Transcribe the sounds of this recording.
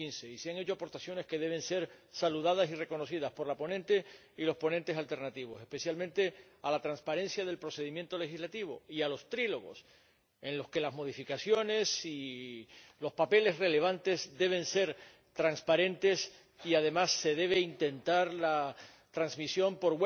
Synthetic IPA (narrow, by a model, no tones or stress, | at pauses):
inse̞iseaŋe̞t͡ʃo̞apo̞ɾt̪asjo̞ne̞ske̞ð̞e̞β̞ẽ̞nse̞ɾsaluðað̞asire̞ko̞no̞siðaspo̞ɾlapo̞nẽ̞nt̪e̞ | ilo̞spo̞nẽnt̪e̞salt̪e̞ɾnat̪iβ̞o̞se̞spe̞sjalmẽnt̪e̞alat̪ɾanspaɾe̞nsjaðe̞lpɾo̞se̞ðimjent̪o̞le̞xizlat̪iβ̞o̞ialo̞st̪ɾilo̞ɣo̞̰s | ẽ̞nlo̞ske̞lazmo̞ðifikasjo̞ne̞si | lo̞spape̞le̞sre̞le̞β̞ãnt̪e̞zd̪e̞β̞e̞nse̞ɾ | t̪ɾanspaɾẽ̞nt̪e̞s | iaðe̞masːe̞ðe̞β̞e̞int̪e̞nt̪aɾla | t̪ɾaŋzmisjo̞mpo̞ɾɣwe